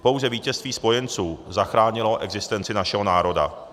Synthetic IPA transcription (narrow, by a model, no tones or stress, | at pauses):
po̞wzɛviːcɛst̪viːspo̞jɛnt͡suːzaxɾaːɲɪlo̞ʔɛɡzɪst̪ɛnt͡sɪnaʃɛɦonaːɾo̞da̰